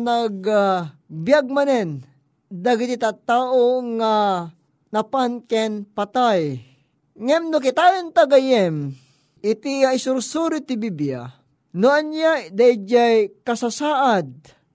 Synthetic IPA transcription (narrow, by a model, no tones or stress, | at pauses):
naɡabjaɡ̚manɛn | d̪aɡit̪it̪at̪aːʔoŋa | napankɛnpat̪aj | ŋɛmnʊkɪt̪ajɛnt̪aɡajɛm | ʔɪt̪iaɪsʊɾsuɾɪt̪ɪbibja̰ | nʊanjad̪aid͡ʒajkɐsasaːʔad̪̚